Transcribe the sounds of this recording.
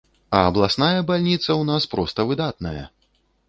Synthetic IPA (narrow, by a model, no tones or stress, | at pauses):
ɐːblˠasnajɐbalʲnʲit̪sɐwnaspɾɔst̪ɐvɨd̪at̪nɐjɐ̰